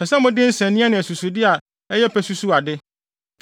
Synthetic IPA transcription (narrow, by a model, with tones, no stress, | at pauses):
ɛ˨sɛ˦mʊ̃˦dɪ˦n̩˦sɛ̃˨nĩ˦a˦nɪ̃˨æ˨su˨su˨dɪ˦a˨ | ɛ˦jɛ˦pʰæ˨su˦su˦a˨dɪ˦